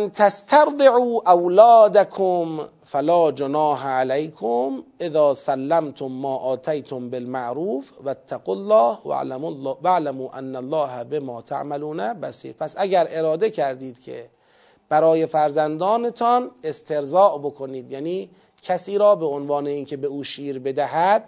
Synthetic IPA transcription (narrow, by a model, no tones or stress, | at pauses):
nt̪ʰæst̪ʰaɾd̪ˤeʕuːʔawlɒːd̪akʰom | falɒːd͡ʒonɑːɦʕalæjkʰomʔeðɒːsælːæmt̪ʰomːɒːʔɒːt̪ʰæjt̪ʰombelmaʔɾuːfʋat̪ʰːaɡolːɑːha̰ʕlmlːvaʕlamuːʔæ̰nːælːɑːɦæbe̞mɒːt̪ʰa̰ʕmæluːnæbæsḭːɾpʰæsʔæɡæɾe̞ɾɒːd̪ecʰæɾd̪iːd̪kʰḛ | b̥æɾɒːje̞fæɾzænd̪ɒːne̞t̪ʰɒne̞st̪ʰe̞ɾzɒːʔbo̞kʰo̞niːd̪jaːniː | kʰæsiːɾɒːbe̞onvɑːne̞iːnkʰe̞be̞uːʃiːɾbe̞d̪æɦæd̪̥̚